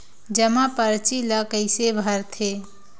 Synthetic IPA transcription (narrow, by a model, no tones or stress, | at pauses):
d͡ʒəmapəɾt͡ʃiləkəɪsebʱəɾt̪ʰe